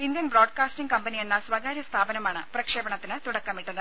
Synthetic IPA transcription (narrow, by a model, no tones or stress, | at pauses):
ind̪jɐnbɾo̞ːɖkaːsʈiŋɡkɐmpɐnijenːɐsʋɐɡaːɾjɐst̪ʰaːbɐnɐmaːɳɨprɐkʂeːbɐɳɐt̪ːinɨt̪uɽɐkːɐmiʈːunːɨ